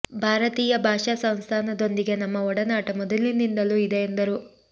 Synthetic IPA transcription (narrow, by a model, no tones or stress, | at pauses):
bʱaːɾɐt̪iːjɐbʱaːʂasɐnst̪ʰaːnɐd̪o̞nd̪iɡe̞nɐmːɐɔɽɐnaːʈɐmɔd̪ɐlinind̪ɐluid̪eːnd̪ɐɾu